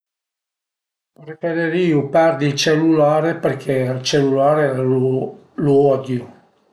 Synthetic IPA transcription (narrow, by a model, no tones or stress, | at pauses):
ɾefeɾeɾiːupɛrd̪ilt͡ʃelːulaːɾeperkʰealt͡ʃelːulaːɾe | luɔd̪ju